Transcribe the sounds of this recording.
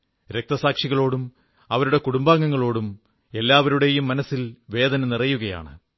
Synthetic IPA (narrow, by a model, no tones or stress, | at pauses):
ɾe̞k̚t̪ɐsaːkʂiɣɐɭo̞ːɽum | ɐʋɐɾuɽe̞kuɽumbaːŋːɐŋːɐɭo̞ːɽum | e̞lːaːʋɐɾuɽe̞jumːɐnɐsːilʋe̞ːd̪ɐnɐnirɐjuɣɐja̰ːɳɨ̰